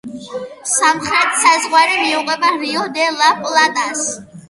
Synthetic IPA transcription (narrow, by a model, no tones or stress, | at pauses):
samχɾɛt̪ʰsazʁwaɾimiuqʼɛbaɾiɔd̪ɛlapʼlˠat̪ʼas